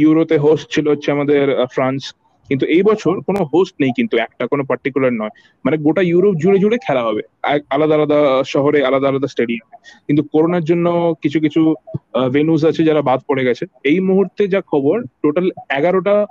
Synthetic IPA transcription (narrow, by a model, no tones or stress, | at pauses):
juɾopeɦosʈt͡ɕʰilootːɕʰeamad̪eɾfɾans | kint̪̬uejbɔt͡ɕʰoɾkonoɦosʈnejkint̪uɛk̚ʈakonopaɾʈikulaɾnɔe | maneɡoʈajuɾop̚d͡ʑuɽed͡ʑuɽekʰɛlaɦɔbe | alad̪aalad̪aʃɔɦoɾealad̪aːlad̪asʈeɖiamekint̪̬ukoɾonaɾd͡ʑonːokit͡ɕʰuk̬it͡ɕʰuvenus̬at͡ɕʰed͡ʑaɾabad̪ʱpoɽeɡɛt͡ɕʰeejmuɦuɾt̪ed͡ʑakʰɔboɾʈoʈalɛɡaɾoʈa